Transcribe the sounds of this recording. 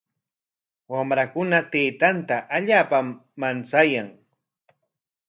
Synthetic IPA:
wamɾakʊnat̪eːt̪ant̪aʔaʎaːpamːant͡sajaŋ

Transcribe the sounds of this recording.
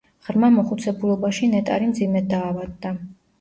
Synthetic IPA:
ʁɾmamɔχut̪sʰɛbulˠɔbaʃinɛt̪ʼa̰ɾimd̪zimɛd̪aːvad̪ːa

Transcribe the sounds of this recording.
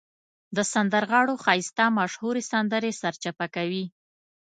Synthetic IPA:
d̪əsand̪əɾɣɑɽoxɑjɪst̪amaʃhuɾesand̪əɾesaɾt͡ʃapakawi

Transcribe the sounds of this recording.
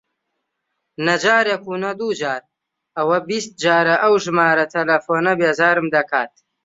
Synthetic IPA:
nɐd͡ʒaːɾekuːnɐd̪uːd͡ʒaːɾ | ɐwɐbist̪̚d͡ʒaːɾɐʔɐwʒɨmaːɾɐt̪ʰɐlɐfoːnɐbeːzaːɾɨmd̪ɐkʰaːt̪̚

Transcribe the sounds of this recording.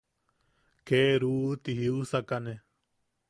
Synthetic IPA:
keɾuːt̪iɦiusakane

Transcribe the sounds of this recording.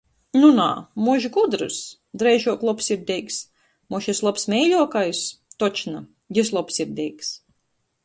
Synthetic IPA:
nuna̰ːmuʒɡud̪ɾṵs | d̪ɾɛjʒuɔklˠɔpsiɾd̪ɛjks | mɔʃeslˠɔpsmʲɛjlʲuɔkajst̪ɔt͡ʃna | jʲis̬lˠɔpsiɾd̪ʲɛjks

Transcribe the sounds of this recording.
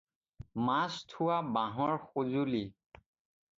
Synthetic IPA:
mastʰuwabaɦɔɹxozuli

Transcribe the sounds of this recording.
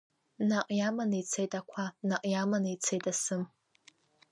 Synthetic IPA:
naqʼjamanejt͡sʰejtʼakʷʰanaqʼjamanejt͡sʰejtʼasɨm

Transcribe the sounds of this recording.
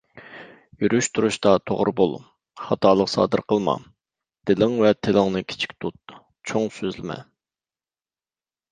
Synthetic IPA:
jyɾyʃt̪ʰuɾuʃt̪ɑt̪ʰo̰ʁɾbolˠ | χɑt̪ʰɑːlˠəqsɑ̰ːd̪ɨɾqəlˠmɑ̰ | d̪̥ɪlɪŋvɛt̪ʰɪlɪŋnɨkʲʰi̥t͡ʃʰi̥k̚ʲt̪ʰut̪̚ | t͡ʃʰoŋsøzlɪmɛ̰

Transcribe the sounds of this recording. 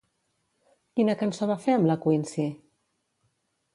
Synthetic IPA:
kinəkənsoβafeəmləkwinsi

